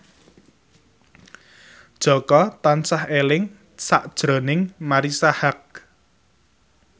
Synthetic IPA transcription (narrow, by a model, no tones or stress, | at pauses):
d̥ʒ̥ɔ̤kɔt̪ansahelɪŋ | saʔd̥ʒ̥ɾɔnɪŋmaɾisahak̚